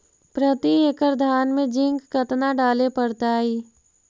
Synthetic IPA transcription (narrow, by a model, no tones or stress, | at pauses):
pɾət̪ieːkəɾd̪ʱaːnmẽd͡ʒɪ̃ŋɡkət̪naɖaːlepəɽt̪aːɦiː